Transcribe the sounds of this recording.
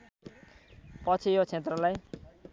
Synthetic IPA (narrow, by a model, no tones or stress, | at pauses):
pʌt͡sʰijot͡sʰet̪rʌlaj